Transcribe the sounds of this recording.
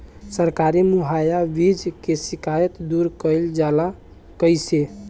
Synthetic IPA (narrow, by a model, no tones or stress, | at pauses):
səɾkaɾimuɦajabid͡ʒkesikajət̪d̪uɾkəjld͡ʒala | kəjse